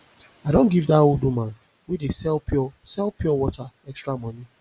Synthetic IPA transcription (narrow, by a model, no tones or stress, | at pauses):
adõnɡivdaodumãn | wedesɛlpɔsɛlpjɔwɔtaɛkstɹamɔ̃ni